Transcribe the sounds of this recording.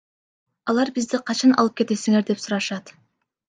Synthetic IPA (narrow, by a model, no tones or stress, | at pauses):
ɑlˠɑɾbizd̪iqʰɑt͡ʃɑnʔɑ̰lˠɯp̚ke̞t̪e̞siŋe̞ɾd̪e̞psuɾɑʃɑt̪